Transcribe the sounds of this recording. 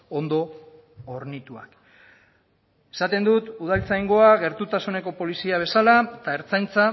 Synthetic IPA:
ond̪o̞ | oɾnit̪ua̰k | e̞̥sat̪e̞nd̪ut̪uð̞alt͡sajŋɡo̞aɣe̞ɾt̪ut̪asune̞ko̞po̞lisiaβ̞e̞salaet̪ae̞ɾt͡sajnt͡sa

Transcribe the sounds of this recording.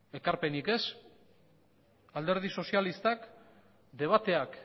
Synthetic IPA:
e̞kaɾpe̞nike̞s | ald̪e̞ɾð̞iso̞sialist̪ak | d̪e̞β̞at̪e̞ak

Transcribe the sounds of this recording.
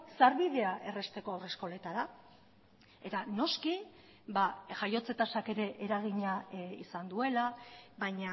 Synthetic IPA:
saɾβiðe̞aʔe̞re̞st̪e̞ko̞awre̞sko̞le̞t̪aɾa | e̞t̪ano̞ski | baʝajo̞t͡se̞t̪asake̞ɾe̞ʔeɾaɣiɲaḭsand̪ue̞laβajɲa

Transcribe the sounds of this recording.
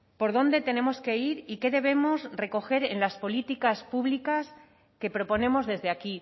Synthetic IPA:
po̞ɾðo̞nd̪e̞t̪e̞ne̞mo̞ske̞iɾike̞ðe̞β̞e̞mo̞sre̞ko̞xe̞ɾe̞nlaspo̞lit̪ikaspuβlikas | ke̞pɾo̞po̞ne̞mo̞zðe̞zðeaki

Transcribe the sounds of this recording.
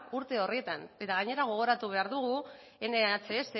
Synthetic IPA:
uɾt̪e̞o̞riet̪ane̞t̪aɣaɲe̞ɾaɣ̞o̞ɣ̞o̞ɾat̪uβ̞e̞aɾðuɣ̞u | e̞neat͡sese

